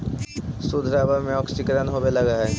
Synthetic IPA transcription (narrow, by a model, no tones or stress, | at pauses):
sud̪ʱɾabamẽɔːksɪkɾənɦoːbelɐɡaɦɛː